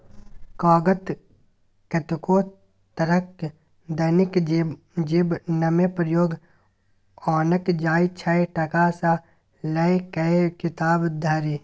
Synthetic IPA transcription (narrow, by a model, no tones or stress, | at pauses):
kɔːɡət̪ | kɐt̪koː | t̪ɐɾək | d̪ɐnɪk | d͡ʒeːbnɐmepɾəjoːɡ | ɔːnəkd͡ʒaːit͡ʃʰɐeʈɐkasa | lɐekɐekɪt̪aːbd̪ʱaɾi